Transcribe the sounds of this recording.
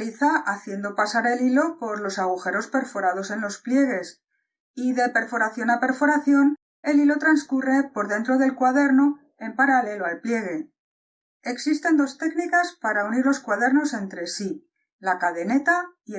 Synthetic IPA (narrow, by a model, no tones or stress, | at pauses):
liθaʔaθje̞nd̪o̞pasaɾe̞lilo̞po̞ɾlo̞saɣ̞uxe̞ɾo̞spe̞ɾfo̞ɾað̞o̞se̞nlo̞splje̞ɣe̞s | iðe̞pe̞ɾfo̞ɾaθjo̞nape̞ɾfo̞ɾaθjo̞n | e̞lilo̞t̪ɾanskure̞po̞ɾðe̞nt̪ɾo̞ðe̞lkwaðe̞ɾno̞ | e̞mpaɾale̞loalplje̞ɣ̞e̞ | eksist̪e̞nd̪o̞st̪e̞knikaspaɾauniɾlo̞skwaðe̞ɾno̞se̞nt̪ɾe̞si | lakaðe̞ne̞t̪ai